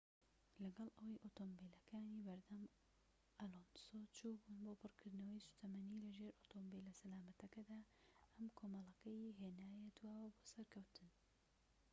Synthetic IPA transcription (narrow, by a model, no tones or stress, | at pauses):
lɐɡɐlˠʔɐwɐjʔot̪oːmbilɐkʰaːniːbɐɾd̪ɐm | ʔɐlonsot͡ʃʰuːbunbopɨrkʰɨɾd̪nɐwɐjsu̥t̪ʰɐmɐnilɐʒeːɾʔoːt̪ʰombilɐsɐlaːmɐt̪ɐkɐd̪aːʔɐmkʰoːmɑlˠɐkɐjɦeːnaːjɛd̪waːwɐboːsɐɾkʰɐwt̪ʰɨn